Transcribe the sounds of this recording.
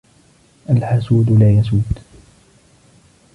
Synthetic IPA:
ʔalħasuːd̪laːjasuːd̪

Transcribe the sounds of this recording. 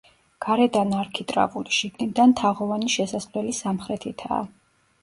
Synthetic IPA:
ɡ̥aɾɛd̪anaɾkʰit̪ʼɾa̰vulʃiɡnid̪ant̪ʰaʁɔvaniʃɛsaslɛlisamχɾɛt̪ʰit̪ʰa̰ː

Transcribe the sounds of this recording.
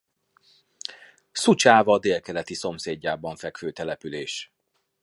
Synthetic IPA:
sut͡ʃaːvɒːd̪eːlkɛlɛt̪iso̞mseːɟːaːbɒɱfɛkføːt̪ɛlɛpyleːʃ

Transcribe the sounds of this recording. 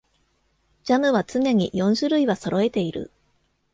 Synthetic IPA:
d͡ʑamɯ̟βat͡sɨne̞ɲ̟ḭjõ̞ɰ̃ɕɨɾɯ̟iβaso̞ɾo̞e̞t̪e̞iɾɯ̟̰

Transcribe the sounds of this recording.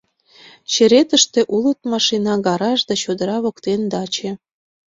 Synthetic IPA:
t͡ɕĕɾet̪ə̆ʃt̪eʔulə̆t̪̚mɑʃinɑɣɑɾɑʃd̪ɑt͡ɕod̪əɾɑβokt̪end̪ɑt͡ɕĕ

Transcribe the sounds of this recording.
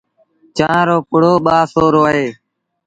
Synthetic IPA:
t͡ʃãːɾoːpʊɽ̤oːɓaːsoːɾoːɦeː

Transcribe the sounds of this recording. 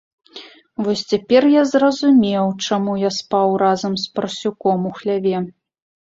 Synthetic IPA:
vɔsʲt͡sʲapʲɛrjazrɐzumʲɛwt͡ʂamujaspawrazɐmspɐrsʲukɔmuxlʲavʲɛ

